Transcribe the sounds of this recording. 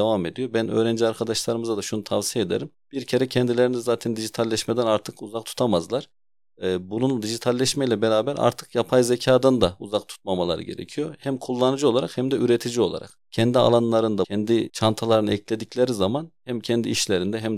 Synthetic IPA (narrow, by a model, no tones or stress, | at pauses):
d̪evame̞d̪ijo̞bænø̰ːɾɛnd͡ʒiaɾkʰad̪aʃlˠaɾɯmɯzad̪aʃunut̪ʰavsijed̪eɾimb̥iɾcʰe̞ɾɛcʰɛnd̪ilʲeɾinizaːt̪ʰɛnd̪iʒit̪ʰalʲːɛʃmɛd̪ɛnaɾt̪ʰɯkuzak̚t̪ʰu̥t̪ʰamazlˠaɾ̥ | ɛːbunund̪iʒit̪ʰalʲːɛʃmɛjlʲɛbeɾaːbæɾa̰ɾt̪ʰɯ̥kjapʰajzecʰaːd̪and̪auzakt̪ʰu̥t̪̚mamalˠa̰ɾɯ̰ɟe̞̰ɾḛcʰijohæmkʰulˠːanɯd͡ʒɯo̞lˠaɾaqhɛmd̪ɛʔyɾet̪ʰid͡ʒio̞lˠa̰ɾa̰qcʰɛnd̪ia̰lˠanlˠaɾɯnd̪aɛnd̪it͡ʃʰant̪ʰalˠaɾɯnɯɛcʰlʲe̞d̪icʰlʲeɾizamanhæmcʰɛnd̪iːiʃlʲeɾind̪ɛɦæm